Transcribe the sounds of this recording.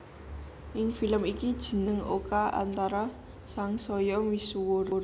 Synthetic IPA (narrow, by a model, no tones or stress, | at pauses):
ʔɪŋfiləmikid̥ʒ̥ə̤nəŋʔo̰kaʔa̰nt̪aɾa | saŋsɔjɔmisuwoɾɾ